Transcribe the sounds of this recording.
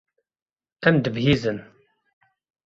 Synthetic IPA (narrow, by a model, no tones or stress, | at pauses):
æmd̪əbhiːzən